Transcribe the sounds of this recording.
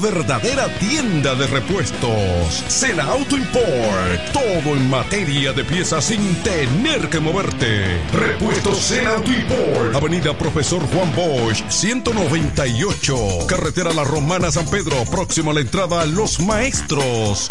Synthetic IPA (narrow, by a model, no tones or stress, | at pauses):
βe̞ɾðaðe̞ɾat̪je̞nd̪aðere̞pwe̞st̪osːenaawt̪oimpoɾt̪o̞ðo̞eŋmat̪e̞ɾjaðe̞pje̞sasint̪ene̞ɾke̞mo̞βeɾt̪ḛrepwest̪osenawt̪oimpoɾaβe̞niðapɾofeso̞ɾxwamboʃsje̞nt̪o̞no̞βe̞nt̪aio̞t͡ʃokaret̪e̞ɾalaro̞mãnas̬ampe̞ðɾo̞pɾo̞ksimolaent̪ɾaðalo̞smaest̪ɾos